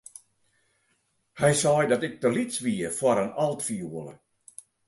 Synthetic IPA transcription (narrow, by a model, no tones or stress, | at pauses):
hɛjsɔjdɔtɪk̚təlitsʋiəfwɔɾənɔlˠtfiuələ̰